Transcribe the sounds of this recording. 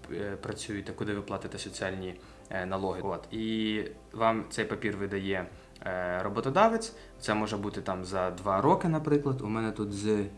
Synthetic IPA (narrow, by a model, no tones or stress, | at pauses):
pɾɐt͡sʲujɪt̪ɛkʊd̪ɪʋɪplˠɑt̪ɪt̪ɛsɔt͡sʲiɑlʲnʲi | nɐlˠɔɦɪot̪i | ʋɑmt̪ɛjpɐpʲirʋɪd̪ɐjɛ | ɾɔbɔt̪ɔd̪ɑʋet͡sʲ | t̪sɛmɔʒɛbut̪ɪt̪ɑmzɐd̪ʋɑɾɔkɪnɐpɾɪklˠɐd̪umɛnɛt̪ut̪z